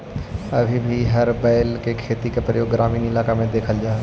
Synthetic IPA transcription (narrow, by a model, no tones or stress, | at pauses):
əbʱibʱiɦəɾbɛːɪlkekʰeːt̪ikepɾəjoːɡːɾaːmiːnɪlaːkamẽd̪eːkʰəld͡ʒaː